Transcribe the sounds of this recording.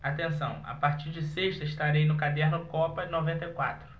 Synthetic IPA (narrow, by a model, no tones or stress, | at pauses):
at̪ẽsɐ̰̃w̃a̰paɾt͡ʃiɾd͡ʒɪseʃt̪ɐɪʃt̪aɾejnʊkad̪ɛɾnʊkɔpɐnovẽnt̪ɐjkwa̰t̪ɾʊ